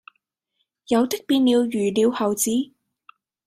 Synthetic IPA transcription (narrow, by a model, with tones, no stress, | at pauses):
jɐ˨˧wt̪ɪ˥k̚piː˧nniː˨˧wjyː˨˩liː˨˧whɐ˨wt͡siː˨˥